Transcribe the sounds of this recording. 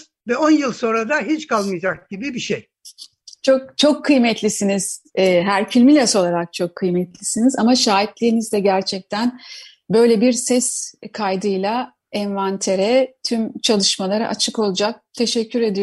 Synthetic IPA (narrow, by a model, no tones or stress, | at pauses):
vɛonjɯlˠso̞nɾad̪aɦit͡ʃkʰalˠmɯjd͡ʒak̚ɟ̥ibibiʃej | t͡ʃʰok̚t͡ʃʰo̞kʰːɯjmɛt̪lʲisiniz̥ɛːɦæɾfilʲmilʲɛso̞lˠaɾak̚t͡ʃʰo̞kʰːɯjmɛt̪lʲisinizamaʃaːip̚lʲiinizd̪ɛɟæɾt͡ʃʰɛc̚t̪ʰæn | bø̞jlʲebiɾsɛskʰajd̪ɯjlˠa | ɛnvant̪ʰe̞ɾɛt̪ʰymt͡ʃʰalˠɯʃmalˠaɾɯ̰ʔa̰t͡ʃʰɯko̞lˠud͡ʒak̚t̪ʰe̞ʃɛcʰːyɾe̞d̪ij